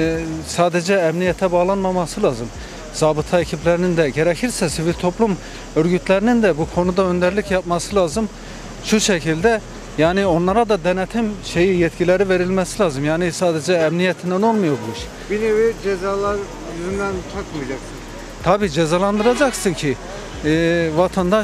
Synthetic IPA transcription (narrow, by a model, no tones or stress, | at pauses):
saːd̪ɛd͡ʒɛːmnijɛt̪ʰɛbaɣlˠanmamɑsɯlˠaːzɯm | saːbɯt̪ʰacʰiplʲæɾinind̪ɛɟeɾɛcʰiɾsɛsivilʲt̪ʰo̞plˠum | øɾɟyt̪ʰlʲæɾinind̪ɛbukʰo̞nud̪aø̞nd̪æɾlʲicjapmɑsɯlˠaːzɯm | ʃuʃɛcʰilʲd̪ɛ | jaːnio̞nlˠɑɾad̪ɑd̪ɛnɛt̪ʰimʃe̞jijɛt̪cʰilʲɛɾiveɾilʲmɛsilʲaːzɯmjaːnisaːd̪ed͡ʒɛːmnijɛt̪ʰind̪æno̞lˠmujabulˠuʃ | binevid͡ʒezaːlˠaɾ | jyzynd̪ænt͡ʃʰakmijd͡ʒaksɯn | t̪ʰabiːd͡ʒezalˠand̪ɯɾad͡ʒaksɯncʰi | vat̪ʰand̪a